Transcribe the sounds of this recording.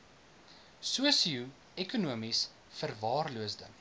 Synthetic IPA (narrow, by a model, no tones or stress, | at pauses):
suəsiu | ɛkunuəmis | fərvɑːrluəsdə